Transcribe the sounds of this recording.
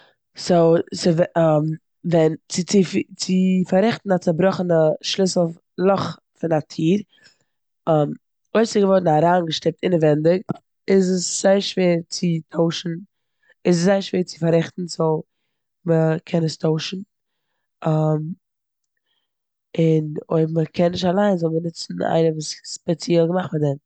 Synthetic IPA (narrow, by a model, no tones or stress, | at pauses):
sosɪvɛam | vɛnt͡sɪɪft͡sɪfaɾɛχtn̩at͡sɪbɾɔχn̩əʃlɪsl̩ˠ | lˠɔχ | fɪnatʰiːɾ | am | oɪsɪɡəvɔɾdn̩aɾaːnɡəʃtɪp̚tɪnəvɛndɪk | ɪzəsz̥aɪəɾʃveːɾt͡sɪtʰoʊʃn̩ | ɪs̬szaɪəɾʃveːɾt͡sɪ̥faɾɛχtn̩so | məkʰɛnəstʰoʊʃn̩ | am | ɪno̰ɪbməkʰɛnːɪʃtalˠaɪnzɔlˠmənɪt͡sn̩a̰ɪnəvuːsspɛt͡sjɛlˠɡəmaχmɪdɛn